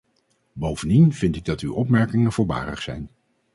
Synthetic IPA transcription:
bowvəndinv̥ɪntɪɡ̚dɑty̰wʔɔpmɛɹkɪŋənvʊːɹba̰ːrə̰χsɛjn

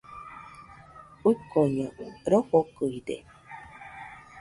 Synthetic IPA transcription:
ukoɲə̃ɾohokɯidḛ

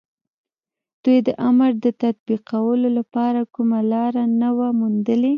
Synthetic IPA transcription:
d̪̥ujd̪əʔaməɾd̪ət̪at̪̚biqawəlolapɑɾakumalɑɾanəwamund̪əle

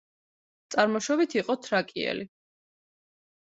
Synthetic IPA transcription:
t̪sʼaɾmɔʃɔbit̪ʰiqʼɔt̪ʰɾakʼiɛ̰li

